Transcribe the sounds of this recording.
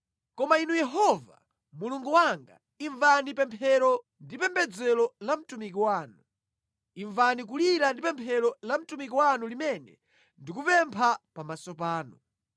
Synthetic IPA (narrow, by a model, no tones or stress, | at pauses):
kɔmainujɛɦɔva̰ | muluŋɡuwaŋɡa̰ | iɱvanipɛmpʰɛɾɔ | ndipɛmbɛd͡zɛlɔlam̩tumikiwaːnu | iɱvanik̬uliɾandipɛmpʰɛɾɔlam̩tumik̬iwanulimɛnɛ̰ | ndikupɛmpʰapamasɔp̬aːnu